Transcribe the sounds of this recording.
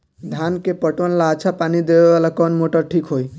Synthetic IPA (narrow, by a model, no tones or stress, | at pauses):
d̪ʱankepɔʈʋɔnlaət͡ʃʰapanid̪ebeʋalakɔnmoʈəɾʈʰikɦoj